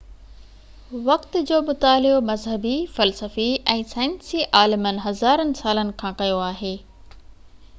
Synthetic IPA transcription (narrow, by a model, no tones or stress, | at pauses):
ʋɐkt̪d͡ʑoːmʊt̪aːlɪomɐzɦəbifɐlsəfiɛ̃ːsaːɪnsiʔaːlɪmənɪ̆ɦɐzaːɾənɪ̆saːlənɪ̆kʰãːkɐjoaːɦeː